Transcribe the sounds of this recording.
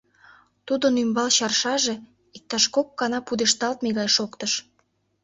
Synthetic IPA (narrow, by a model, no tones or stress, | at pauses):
t̪ud̪ənymbɑlɕɑrʃɑʒe | ik̚t̪ɑʃkokːɑnɑpud̪eʃt̪ɑlt̪̚meɣɑjʃokt̪əʃ